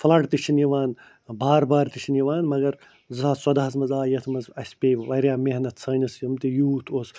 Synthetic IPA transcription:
flɐʈt̪it͡ʃʰinjiʋaːn | baːɾbaːɾt̪it͡ʃʰinjiʋaːnmɐɡɐɾ | zaːswɐd̪aɦɐzmɐzaːjɐt̪ʰmɐzɐsʲpʲeːʋɐɾʲjaːmeɦnɐt̪ʰsʰɐːnɐsjɐmt̪ijuːt̪ʰoːs

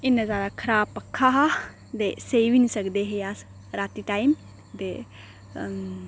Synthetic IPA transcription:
inːɐzaːɾakʰɐɾaːpːɐkʰːaɦɐ | d̪esejʋinisɐkd̪eɦejas | ɾaːt̪iʈajm | d̪e

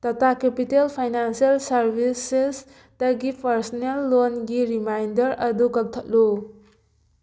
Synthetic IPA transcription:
t̪ʌt̪akepitelpʰajnansijalsʌɾbʱises | t̪ʌɡipɐɾsɔnelːonɡiɾimajndʌɾɐd̪uɡʌk̚t̪ʰətlu

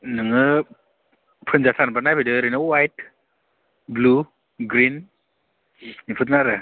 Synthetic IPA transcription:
nɯŋɯ | pʰɯnzatʰanbanajbidɯɾɯnɯwajt̚ | blu | ɡɾin | nipʰɯt̚naɾɯ

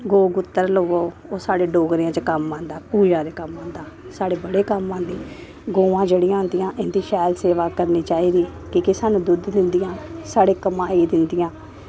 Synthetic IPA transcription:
ɡoːɡʊt̪ːəɾloːʋoː | oːsaːɽeːɖoːɡɾːãːt͡ʃəkəmːãːnd̪aːpuːd͡ʒãːɾeːkəmːãːnd̪aː | saːɽeːbəɽeːkəmːãːnd̪iː | ɡoːʋãːd͡ʒeːɽɪːãːnd̪ɪjãːʔɪnd̪iːʃɛːlseːʋaːkəɾniːt͡ʃaːiːd̪iː | kikɪsaːnũːd̪ʊd̪d̪ɪnd̪ɪjãːsaːɽeːkəmãːiːd̪ɪnd̪ɪjãː

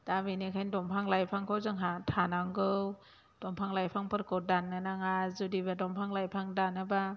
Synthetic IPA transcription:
d̥abinikʰajndɔmpʰaŋlajpʰaŋkʰowzɯŋɦatʰanaŋɡɯw | d̥ɔmpʰaŋlajpʰaŋpʰɯɾkɔdanːɯnaŋazudibadɔmpʰaŋlajpʰaŋdanɯba

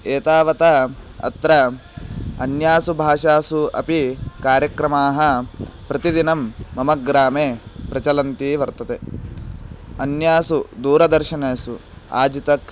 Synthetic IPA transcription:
eːt̪aːʋɐt̪ɐ | ɐ̰t̪ɾɐ | ɐnjaːsubʱaːʃaːsuɐ̰pikaːɾjɐkɾɐmaːɦɐ̆ | pɾɐt̪id̪inɐmːɐmɐɡɾaːmeːpɾɐt͡ʃɐlɐnt̪iʋɐɾt̪ɐt̪e | ɐnjaːsud̪uːɾɐd̪ɐɾʃɐneːsu | a̰ːd͡ʒit̪ɐk

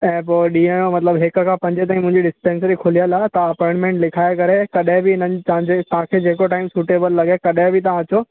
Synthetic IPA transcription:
ɛ̃ːpoːɗiːẽj̃õmɐt̪ləbɦɪkʊ̆kʰãːpɐ̃ɲd͡ʑɪt̪̬aːĩmʊ̃ɪ̃ɲd͡ʑiɖɪspẽːnsəɾikʰʊlijəlat̪ɐɐpɔ̃ɪ̃ɳʈmẽːɳʈlɪkʰaːekɐɾekɐɗɦɪ̃bɪɪnəɲt̪ɐãd͡ʑet̪ɐʋ̤ãkʰed͡ʑeːkoʈaːɪmsuːʈeːbəlːɐɡekɐɗɦɪ̃bɪt̪ɐʋ̤ãɐt͡ɕoː

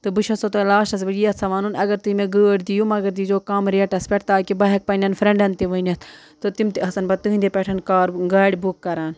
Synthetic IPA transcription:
t̪ɨbɨʃɐsot̪ɐlaːʃɐs̬bɐɡijɐt͡sʰɐʋaːnunɐɡɐɾt̪ɨmeɡəːɽd̪ijumɐɡɐɾd̪id͡ʒoːkɐmɾɐʈɐspɛʈʰt̪aːkibɐɦɐk̚pɐnʲɐnfɾɐ̃ɳɖɐnt̪iʋɐnɐst̪ | t̪ɨt̪imt̪iɐsɐnbɐt̪ɨɦĩnd̪epʲeʈʰɐnkaːɾɡaːɽʲibukːɐɾaːn

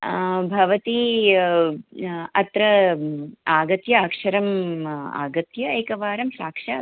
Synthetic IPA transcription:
bʱɐʋɐt̪i | ɐt̪ɾɐ | aːɡɐt̪jɐaːkʂɐɾɐma̰ːɡɐt̪jɐeːkɐʋaːɾɐmsaːkʂɐ

